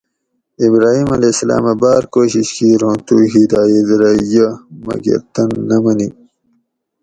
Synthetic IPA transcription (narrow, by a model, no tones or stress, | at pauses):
ibɾaːɦiːmɐlesɐla̰ːmɐbaːɾkoːɕiɕkiɾõːnt̪uːɦid̪aːjed̪ɾɐjɐmɐ̰ɡḛɾt̪ɐnːɐmɐni